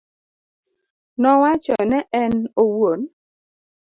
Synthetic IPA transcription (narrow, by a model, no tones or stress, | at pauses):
nɔwat͡ʃɔnɛʔɛnowon